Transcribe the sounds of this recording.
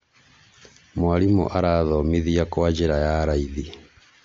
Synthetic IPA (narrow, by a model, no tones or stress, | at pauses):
mwaɾimṵʔaɾaðɔmiðiakwad͡ʒeɾajaɾaiði